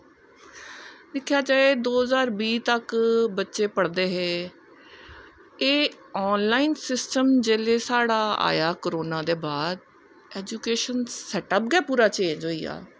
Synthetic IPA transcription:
lɪkʰːjaːd͡ʒaːeːd̪oːɦəzaːɾbiːt̪əkbətːʃeːpəɽd̪eːɦeː | eː | ɔːnlaːiːnsɪsʈəmd͡ʒeːleːsaːɽaːa̰ːjaːkəɾoːnãːd̪eːbaːd̪̚ | ɛːd͡ʒuːkeːʃənsɛːʈəp̚ɡɛːpuːɾaːt͡ʃẽːd͡ʒoːiːa̰ː

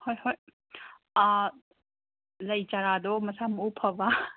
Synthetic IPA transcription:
hojhoj | lɐjt͡ʃaɾadɔmɐsamopʰɐba

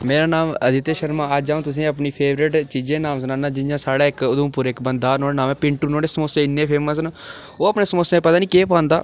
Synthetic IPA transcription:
meːɾaːnaːməd̪ɪt̪eːʃəɾmãːad͡ʒd͡ʒaːõːt̪ʊs̬ĩːəp̬niːpʰeːʋɾɪʈt͡ʃiːd͡ʒẽːnaːms̬nãːnãːd͡ʒɪnd͡ʒãːsaːɽaːɪkʊd̪ũːpʊɾɪkbənd̪aːɾnoːɽenãːmɛ̃ːpɪɳʈuːnõːɽeːsəmoːsẽːɪnːẽːpʰeːməs̬n | oːəpneːsəmoːsẽːpət̪aːniːkeːpaːnd̪a̰ː

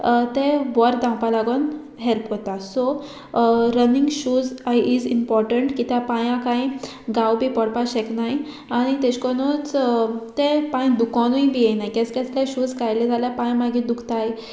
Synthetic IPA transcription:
t̪ebɔɾd̪ãmpalaɡon | ɦelpɦot̪asɔ | ɾəniŋɡɕuːd͡zajid͡zimpɔɾʈəɳʈkit̪japãjãkãĩ | ɡawbipɔɽpaɕɛknaj | aɽ̃it̪ɛt͡ɕkɔnut͡st̪epãjd̪ukɔnuibijɛjnajkɛt͡skɛt͡slaɕuːd͡zkajled͡zʱaljapãjmaɡid̪ukʰt̪aj

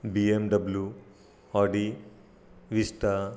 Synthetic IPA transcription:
biemɖɐblju | ɔːɖi | ʋist̪a

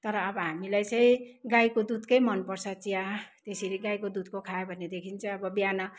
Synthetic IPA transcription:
t̪ʌɾʌːbʌɦamilajt͡sʌĩɡajkod̪ud̪kʌjmʌnpʌrsʰʌt͡siãt̪eseɾiɡajkod̪ud̪̚kokʰaebʱʌned̪ekʰint͡sʰʌ̃ʌbʌbjanʌ

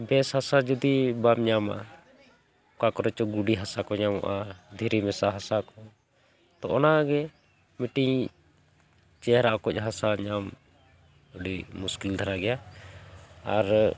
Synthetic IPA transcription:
bɛshasad͡ʒɔd̪ibamɲama̰ | kakɔɾɛt͡ʃɔɡuɖiɦasakɔɲamɔ̰ʔad̪ʱiɾimɛsaɦasakɔ | t̪ɔʔɔnaɡɛ | miʈiɲ | t͡ʃɛɦɾaʔɔkɔc̚ˀɦasaɲam | uɖimuskild̪ʱaɾaɡɛja | aɾ

